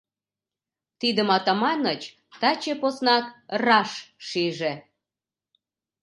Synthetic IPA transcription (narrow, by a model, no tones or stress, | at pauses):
t̪id̪əmɑt̪ɑmɑnət͡ɕ | t̪ɑt͡ɕeposnɑk̪̚rɑʃʃiʒe